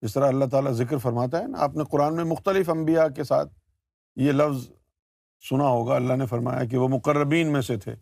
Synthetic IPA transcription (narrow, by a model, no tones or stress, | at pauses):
ɪs̬t̪ɐɾaɐlːaɦt̪aːlazɪkɾfɐɾmaːt̪̬aɦɛnaa̰ːpneqʊɾaːnmẽmʊxt̪əlɪfɐ̃mbijakesa̰ːt̪̚ | jelɐfz | sʊnaɦoːɡaɐlːaɦnefɐɾma̰ːja̰k̬eʋomʊqəɾːəbiːnmẽset̪ʰḛː